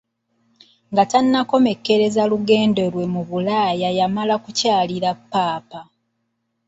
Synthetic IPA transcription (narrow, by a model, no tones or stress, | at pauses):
ŋɡatanːako̞me̞kːe̞ɾe̞zaluɡe̞ːnde̞lwe̞muβulaːjajamalakucaːliɾapːaːpa